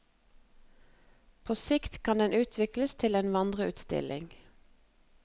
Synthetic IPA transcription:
pʰoːsɪkt̪kʰɑnd̪ɛnʔʉːt̪ʰʋɪkləst̪ʰɪleːnʋɑnd̪ʁəʉ̰ːt̪st̪ɪ̰lʔɪ̰ŋ

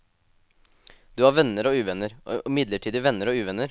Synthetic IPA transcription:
d̪ʉːhɑːɾʋɛnːəɾɔːʉːʋɛnəɾɪmɪd̪ləʈʰiːd̪ɪʋɛnːəɾoːʉːʋɛnːəɾ

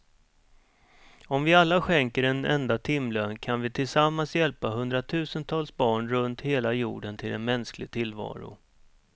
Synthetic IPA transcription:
ɔmvɪalːaɧɛŋkəɾɛnɛ̰nd̪at̪ʰɪmːløːnkʰanvɪt̪ʰɪlsamːansjɛlpaɦɵnd̪ɾat̪ʰʉ̟ːsənt̪ʰɑːlsbɑːɳɾɵnt̪heːlajṵːɖənt̪ʰɪlɛ̰nmɛnsklɪɡ̚t̪ʰɪlːvɑ̰ːɾʊ̰

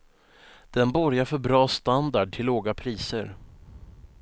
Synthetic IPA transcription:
d̪̥ɛnbɔɾjaɾfœɾbɾɑːst̪and̪aɖ̚ʈʰɪlːoːɡapʰɾiːsə̰ɾ

